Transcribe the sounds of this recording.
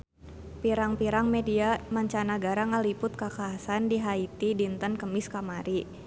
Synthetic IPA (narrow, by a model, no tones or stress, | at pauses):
piɾaŋpiɾaŋmediamaɲt͡ʃanaɡaɾaŋalipʊt̪̚kakaːsandiɦait̪idint̪ənkəmɪskamaɾi